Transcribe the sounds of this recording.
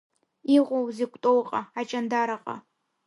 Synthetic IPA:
iʁʷowzikʷʼtʼowqʼaat͡ʃʼandaɾaqʼa̰

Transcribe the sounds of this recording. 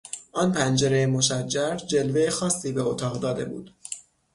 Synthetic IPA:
ʔɒːnpʰænd͡ʒe̞ɾejemo̞ʃæd͡ʒːæɾd͡ʒe̞lve̞jexɒːsːiːbeot̪ʰɒːɣd̪ɒːd̪e̞bṵːd̪̥

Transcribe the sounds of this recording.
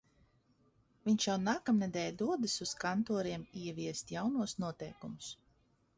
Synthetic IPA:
viɲt͡ʃjawnaːkamnɛd̪ɛːjd̪uɔd̪ɨsuskant̪ɔːɾiɛmiɛvʲiɛst̪jawnuɔsnuɔt̪ɛjkumʊs

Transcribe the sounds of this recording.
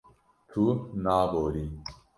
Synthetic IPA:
t̪ʰunaːboːɾi

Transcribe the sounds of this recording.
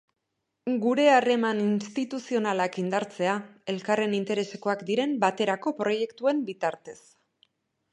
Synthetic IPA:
ɡuɾe̞are̞maninst̪it̪usio̞nalakind̪aɾt͡se̞ae̞lkare̞nint̪e̞ɾe̞se̞ko̞akd̪iɾe̞mbat̪e̞ɾako̞pɾo̞je̞kt̪ue̞mbit̪aɾt̪e̞s

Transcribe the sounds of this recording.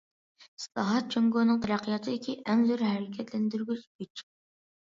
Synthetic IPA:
i̥slˠɑɦɑt̪̚t͡ʃʰøŋɡonɨŋt̪ʰæɾæqʰːijɑt̪ʰɨɪkʲiʔɛŋzyɾɦæɾɪkʲʰɛt̪lænd̪yɾɡʲyt͡ʃbʲyt͡ʃʰː

